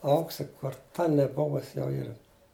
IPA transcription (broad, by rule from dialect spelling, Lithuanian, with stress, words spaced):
ˈɐʊksʲɪ kʊr ˈtɐ nʲɛˈbʊʋʊsʲɪ jɛʊ ˈiːrɐ